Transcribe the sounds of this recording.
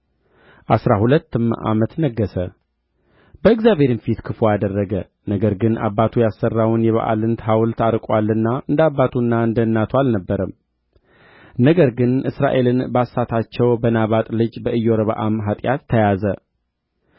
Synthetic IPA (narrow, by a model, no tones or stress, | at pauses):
ʔasɾahulət̪ːɨmʔa̰mət̪nəɡːəsə | bəɨɡzjaβʱe̞ɾɨnfit̪kʰɨfojad̪ərːəɡə | nəɡəɾɡɨna̰bːat̪ʰujasːərːawnjɛβa̰ʔa̰lɨnt̪ʰɦawlt̪ʰaɾkʼwalːɨnːaʔɨnd̪abːat̪ʰunːaɨnd̪ənːat̪ʰwalnəbːəɾəm | nəɡəɾɡɨnʔɨsɾa̰ʔe̞lɨnbasːat̪ʰat͡ʃːɛwbənaβat̪ʼlɨd͡ʒbəʔɨjːoɾəβəʔamɦat̪ʼjat̪ʰːəjazə